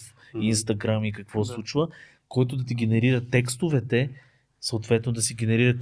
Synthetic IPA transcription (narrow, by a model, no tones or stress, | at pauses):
f | inst̪ɐɡɾamikɐkvɔslˠut͡ʃvə | kɔjt̪ʊd̪ɐt̪̬iɡ̟ɛnɛɾiɾət̪ɛkst̪ʊvɛt̪ɛ | səot̪vɛt̪nod̪ɐsiɡʲɛnɛɾiɾət̪